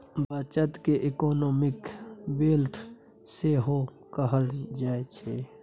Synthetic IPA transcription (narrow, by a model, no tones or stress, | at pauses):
baːt͡ʃət̪keʔɪkɔːnoːmɪkbeːlt̪ʰ | seːɦo | kəɦəld͡ʒaːet͡ʃʰe